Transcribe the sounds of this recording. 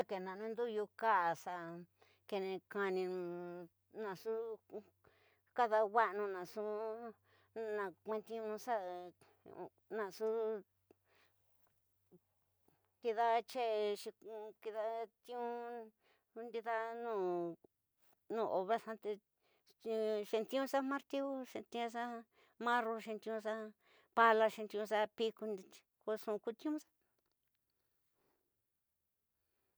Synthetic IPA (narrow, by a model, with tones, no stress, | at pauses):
a˦ke˨nã˨˧nũ˦nd̪u˦˧ju˧ka˦ʔsa˧ | ke˧nẽ˧ka˧nĩ˧ñ˧ | nã˧su˦ | ka˦ða˧wa˦ʔnũ˧nã˨su˦ | nã˧˨kʷẽ˧nt̪ĩ˧˦nũ˧sa˦˧ | nã˧˨su˦ | ki˧ða˦t͡ʃe˦˧ʃi˧ki˧ða˧t̪ĩ˦ũ˦ | u˧nd̪i˧ða˦nũː˦˧˨ | nũː˧˨ʔo˧βɾa˦sã˧t̪e˧ | ʃe˧nt̪ĩ˦ũ˦sa˦mã˦ɾt̪i˦u˦ʂe˧t̪ĩ˧ã˧˦s̬a˦ | mã˦ro˧ʃẽ˧nt̪ĩ˧ũ˧sa˦ | pa˧la˧ʃĩ˧nt̪i˧ũ˧s̬a˦pi˦ku˧ni˧ko˧ʂũ˧ku˧t̪ĩ˦ũ˦sḁ˦